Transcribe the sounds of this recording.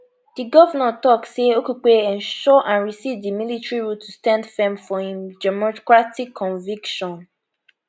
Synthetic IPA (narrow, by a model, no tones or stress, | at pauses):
d̥iɡɔvənãtɔkseokuk͡peɛ̃nʃɔʔãnɹisivdimilitɹiɹutʰustãndfɛ̃mfɔhĩmdɛmɔkɹatikʰːɔ̃ɱvikʃɔ̃n